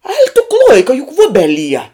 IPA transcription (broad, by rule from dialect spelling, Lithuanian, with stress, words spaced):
ɐɪk tʊ ˈklˠoːɪkɐ jʊk ˈʋʊbʲɛˌlʲiɛ